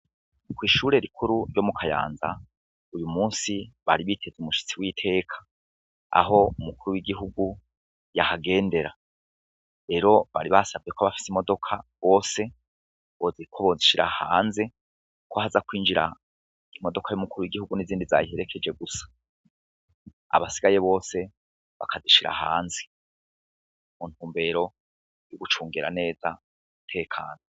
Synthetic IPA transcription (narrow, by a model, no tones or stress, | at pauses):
kwiːʃuːɾe̞ɾikʰuɾuɾɟo̞mukʰaja̰ːnza̰ | ujumuːnsiβaɾiβitʰe̞zumuʃi̥t͡siwiːtʰe̞ːkʰḁ | a̰ɦo̞umukuɾuwiɡiɦuɡu | jahaɡe̞ːnde̞ɾa | ɾe̞ɾo̞βa̰ɾiβasavɟe̞koβafi̥simo̞do̞kʰaβo̞ːse̞ | βozikʰoβo̞ziʃiɾa̰haːnze | kohazakwiːnd͡ʒiɾa̰ | imo̞do̞kʰajumukuɾujiɡihuɡuniziːndiza̰jihe̞ɾe̞kʰe̞d͡ʒe̞ɡusḁ | a̰βasiɡaje̞βo̞ːse̞ | βa̰kʰaziʃiɾa̰ha̰ːnze̥ | mun̥huːmbe̞ɾo̞ | juɡut͡ʃuːŋɡeɾa̰ne̞ːza | mutʰe̞ːkʰa̰ːno